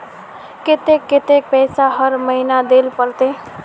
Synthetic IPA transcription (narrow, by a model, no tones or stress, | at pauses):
ket̪ekːet̪ek̚pɛjsaɦʌɾməɦinad̪elpəlt̪e